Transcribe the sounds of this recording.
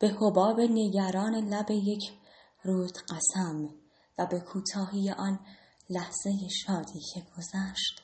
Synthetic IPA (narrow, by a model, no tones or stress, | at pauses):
b̥e̞hobɒːbe̞ne̞ɟæɾɒːne̞læbe̞je̞cʰ | ruːt̪ɢ̥æsæm | væbe̞kʰuːt̪ʰɒːɦiːjeʔɒːn | læhz̥e̞je̞ʃɒːd̪iːcʰe̞ɡ̥o̞zæʃt̪